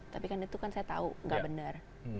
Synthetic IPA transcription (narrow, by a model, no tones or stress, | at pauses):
t̪apikanit̪ukansajat̪a̰uŋɡaʔbənər